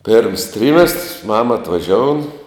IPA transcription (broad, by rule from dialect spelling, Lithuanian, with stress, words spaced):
pʲeːrms ˈtʲrʲiːmʲɛstrs ˈmɑːmɐ ɐtʋɐˈʒʲoːʊn